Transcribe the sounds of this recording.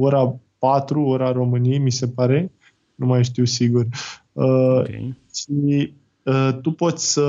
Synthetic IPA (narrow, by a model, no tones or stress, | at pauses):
oɾapat̪ɾuoɾaɾo̞mɨniejmise̞paɾe̞ | numajʃt̪iwsiɡur | ə | ʃi | ət̪upo̞t̪sʲsə